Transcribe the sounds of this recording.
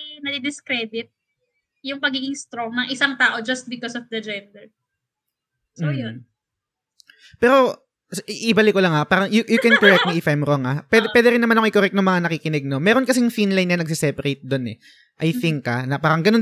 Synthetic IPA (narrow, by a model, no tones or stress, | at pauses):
nɐd̪ɪd̪ɪskɾɛːd̪ɪt̪̚ | jʊŋpɐɡiːɡɪŋst̪ɾoŋnɐŋʔɪsaŋt̪aːʔo̞d͡ʒɐst̪̚bɪkɔsɔfd̪ɐd͡ʒɛnd̪ɛɹ | sojon | pɛːɾo̞ | sʔʔɪbalɪkolɐŋapaːɾɐŋjʊjʊkɛnkoɾɛk̚t̪nɐʔifajmɾoŋapwɛd̪ɛpwɛːd̪ɛɾɪnːɐmanɐʊŋʔɪkoɾɛk̚t̪nʊŋmɐŋanɐkiːkɪnɛɡ̚nomɛːɾonkɐsɛjʊŋfinlajnjɐnɐɡs̬ɪsɛpɐɾejt̪̚d̪o̞nɛ̰ | ʔɐjθɪŋkɐnɐpaːɾɐŋɡɐnon